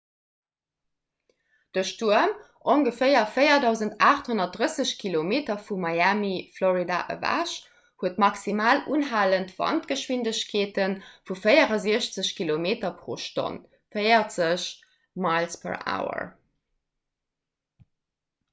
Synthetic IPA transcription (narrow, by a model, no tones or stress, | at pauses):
d̥əʃtuəm | ʔoŋɡəfɜɪɐfəɪɐdɑʊzəntʰaːχthonɐt̚d̥ʁəsəɕkʰilomeːtɐfumɑjæmifloʁida̰ʔə̰væ̰ʃ | huətmɑksimaːluːnɦaːləntv̥ɑ̰ntɡ̥əʃwindəɕkʰeːtənfufəjəʁɐziəɕt͡səɕkʰilomeːtɐpʁo̰ːʃto̰n | fəɪɐt͡səɕ | mɑɪlspʰə̰ɹa̰ːʊə̰